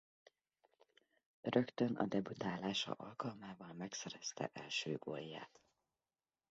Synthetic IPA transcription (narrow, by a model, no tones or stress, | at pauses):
rø̞kt̪ønɒ̰d̪ɛbut̪aːlaːʃɒ̰ʔɒlkɒlmaːvɒlmɛksɛɾɛst̪ɛ̰ʔɛlʃøːɡojːa̰ːt̪